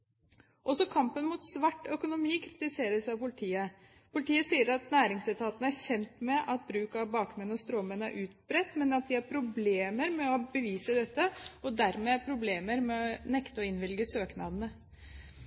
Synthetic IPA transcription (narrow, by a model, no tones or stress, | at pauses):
ʔɔsɔkʰɑmpənmuːt̪sʋɑʈːœkʊnʊmiːkʰɾɪ̥t̪ɪseːɾəsɑʋpʊlɪt̪ʰiːə | pʊlɪt̪ʰiːəsiːəɾɑt̪næːɾɪŋslɛt̪ʰɑːt̪ənəæɾçɛnt̪mɛʔɑt̪̚bɾʉːkɑʋbɑːkmɛnɔst̪ɾɔmənæ̰ɾʔʉːt̪bɾɛt̪ːmɛnɑt̪̚d̪ɪæɾpʰɾʊbleːməɾmɛɔbəʋiːsəd̪ɛt̪ːəɔd̪æɾmɛæpʰɾʊbleːməɾmɛɔnɛkt̪əɔɪnʋɪlɡəsøːknɑd̪ənə